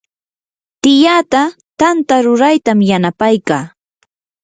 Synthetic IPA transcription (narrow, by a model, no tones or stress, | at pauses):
t̪ɪjat̪a | t̪ant̪aɾʊɾajt̪amjanapajkaː